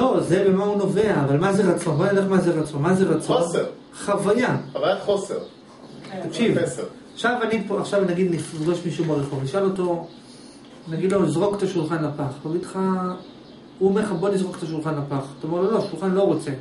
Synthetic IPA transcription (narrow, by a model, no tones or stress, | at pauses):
loze̞be̞mauno̞ve̞aːvalmazeʁat͡so̞nboanidaaχmazeʁat͡so̞nmazeʁat͡soonne | χavajaavajaχoseʁ | t̪akʃivse | aχʃavanipoaχʃavnaɡid̪niχnizɡoʃmiʃubaʁeχovniʃalo̞t̪o̞ | naɡid̪lonizʁo̞kt̪aʃulχanapaχtaɡid̪χa | umeχabo̞nizʁo̞kt̪aʃulχanapaχt̪aome̞ʁloloʃulχanlo̞ʁo̞t͡se̞